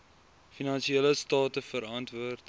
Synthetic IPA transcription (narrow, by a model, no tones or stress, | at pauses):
finɐnʃieːləstɑːtəfəɾɐntvuərt